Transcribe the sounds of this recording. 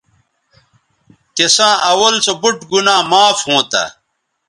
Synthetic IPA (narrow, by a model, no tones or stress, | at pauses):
kesãːʔɐwɐlsobuʈɡunãːmaːfhõːt̪a̰